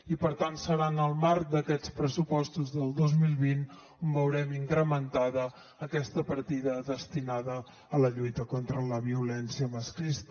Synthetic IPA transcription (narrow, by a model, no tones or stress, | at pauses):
ipəɾt̪ansəɾanəlˠmaɾ̚d̪əkɛt͡spɾəsupɔst̪uzðəlˠd̪ɔzmilˠβin | umbəwɾɛmiŋkɾəmənt̪aðəː | kɛst̪əpəɾt̪iðəðəst̪inaðəː | ləʎujt̪əkɔnt̪ɾələβ̞iulɛnsiəməskɾist̪